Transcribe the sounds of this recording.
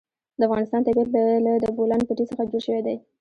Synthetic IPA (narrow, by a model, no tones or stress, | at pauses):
d̪əafɣɑnɪst̪ɑnt̪abjɑt̪balad̪əbolanpəʈisəxad͡ʒoɽʃəwed̪aj